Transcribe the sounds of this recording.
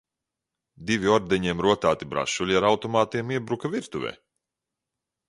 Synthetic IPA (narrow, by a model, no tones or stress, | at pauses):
d̪ivʲiɔɾd̪ɛɲiɛmɾuɔt̪aːt̪ibɾa̰ʃulʲiaɾawt̪ɔmaːt̪iɛmiɛbɾukavʲiɾt̪uvʲɛ̰ː